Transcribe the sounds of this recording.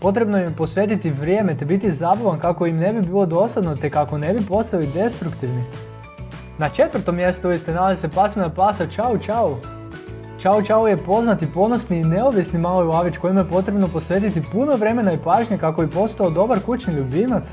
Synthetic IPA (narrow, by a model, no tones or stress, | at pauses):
po̞t̪̬ɾe̞bnojimpo̞sʋe̞t̪it̪iʋɾje̞ːmet̪ebit̪izabaʋankako̞imne̞bibilo̞d̪o̞sad̪no̞t̪e̞kako̞ne̞bipo̞st̪alid̪e̞st̪ɾukt̪iʋni | nat͡ʃe̞t̪ʋr̩t̪omjest̪ouist̪enalazisepasminapasat͡ʃaut͡ʃau | t͡ʃaut͡ʃauje̞po̞znat̪ipo̞nosniːne̞oʋisnimalojuaʋit͡ʃko̞jimjepo̞t̪ɾe̞bno̞po̞sʋet̪̬it̪ipuno̞ʋɾe̞me̞naipaːʒɲekako̞ipo̞st̪aod̪o̞baɾkut͡ʃniʎubinat̪s